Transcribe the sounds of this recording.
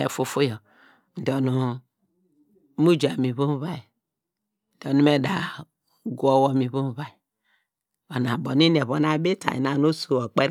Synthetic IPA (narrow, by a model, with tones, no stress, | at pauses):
ḛ˨fu˨fu˦jɔ˨ | n̩˨dɔ˨nu˨˦ | mu˦d͡ʒa˨mi˨βu˦m˦βa˦i˨ | do˨nu˦me˦da˨ | ɡu˦o˦wo˦mi˨βu˦m˦βa˨i˨ | o˨na˨bo˨ni˦ne˨βo˨na˨˦be˦ta̰˨ḭ˨na˨no˦su˨o˨k͡pe˦ɾ